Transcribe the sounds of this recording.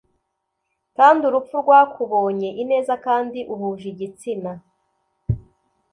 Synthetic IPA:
kaːnduɾup͡fuɾɡwakʰuβo̞ːɲe̞ʔine̞ːzakaːndiʔuhuʒiɟit͡sina

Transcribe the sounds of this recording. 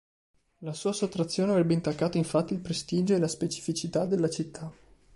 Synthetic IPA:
lasuːasot̪ːɾat̪sːjoːneavɾɛbːeint̪akːaːt̪oiɱfat̪ːilpɾest̪iːd͡ʒoelaspet͡ʃi̥fit͡ʃit̪ad̪elːat͡ʃit̪ʰːa

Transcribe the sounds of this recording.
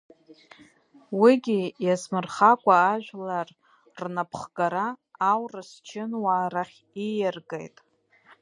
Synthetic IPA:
wiɡʲijasmɨrχakʷʼaːʒᶣʷlar | rnapʰχɡaɾaːwrast͡ʃʰɪnwaːɾaχʲ | ijɪrɡḛjtʼ

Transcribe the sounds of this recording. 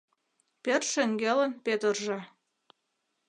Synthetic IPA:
perʃeŋɡelənpet̪ərʒĕ

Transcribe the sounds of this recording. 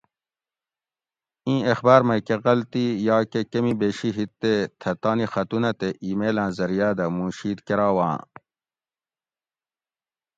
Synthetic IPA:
ĩːexbaːɾmɐkeɣɐlt̪ijɑːkekɐmibeːɕiɦit̪ːet̪ʰɐt̪ɑːnixɐt̪unɐt̪eʔiːmeːlãːzɐɾijaːd̪ɐmũːɕiːd̪keɾaːwã̰ː

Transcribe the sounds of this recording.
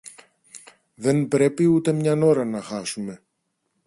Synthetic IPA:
ðe̞nbɾe̞piut̪e̞mɲɐno̞ɾɐnɐxɐsume̞

